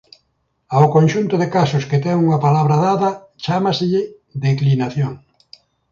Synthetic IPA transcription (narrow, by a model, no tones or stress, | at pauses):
aokõnʲʃunt̪ʊðekasʊskɪt̪ɛŋuŋɐpalaβɾaðaðɐ | t͡ʃamasɪʎɪ | d̪eklinaθjoŋ